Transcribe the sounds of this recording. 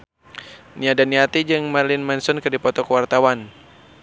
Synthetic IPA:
niadaniat̪id͡ʒɨŋmarlɪnmɛnsɔnkɨrdipɔt̪ɔkəwart̪awan

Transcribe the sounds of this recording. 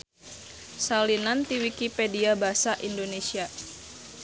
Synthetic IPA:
salinant̪iwikipediabasaʔindonesia

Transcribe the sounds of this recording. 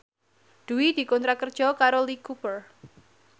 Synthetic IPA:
d̪̥ṳwid̪̥i̤kɔnt̪ɾakərd̥ʒ̥ɔ̤kaɾolikupər

